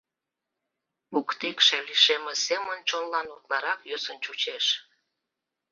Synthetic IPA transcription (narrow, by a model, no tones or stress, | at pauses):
ukt̪ikʃeliʃemesemənt͡ɕonlɑnut̪lɑɾɑkjøsənt͡ɕut͡ɕeʃ